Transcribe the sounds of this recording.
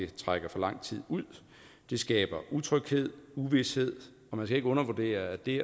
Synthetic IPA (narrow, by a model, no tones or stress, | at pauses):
e̝t͡sʰʁaɡ̥ɐfɒ̽lɑ̈ŋ̰t͡sʰið̞̰ˠuð̰ˠ | d̥e̝sɡ̥ɛ̰ːb̥ɐʔut͡sʰʁœɡ̥he̝ð̞̰ˠuʋishe̝ð̰ˠ | ɒ̽mænskæe̝ɡ̥ɔ̽nɐʋud̥e̝̰ːɐæd̥e̝